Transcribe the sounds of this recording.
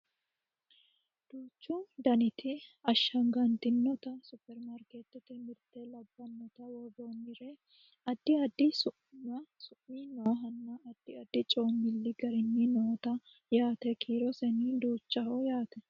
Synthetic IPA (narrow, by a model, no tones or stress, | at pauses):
d̪̥uːt͡ʃːʊd̪ɐnɪt̪ʰɪɐʃːɐŋɡɐnt̪ɪnːɔt̪ɐsʊpːɛɾmaɾkeːt̪ːɛt̪ɪmɪɾt̪ɛlɐbːɐnːɔt̪ɐwɔboːmɪɾe | ɐd̪ːɪɐd̪ːɪsʊʔnɐsʊʔiːnoːɦɐnːɐɐd̪̥ːɪɐd̪ːɪt͡ʃʼo̞ːmːɪlːɪɡɐɾɪnːɪnɔoːt̪ɐ | jaːt̪ɛkʰiːɾɔsɛniːd̪uːt͡ʃːɐhojaːt̪ɛ